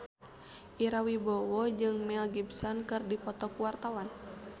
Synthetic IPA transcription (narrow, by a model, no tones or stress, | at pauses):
ʔiɾawibɔwɔd͡ʒɨŋmɛlɡibsɔnkɨrdipɔt̪ɔkuwart̪awan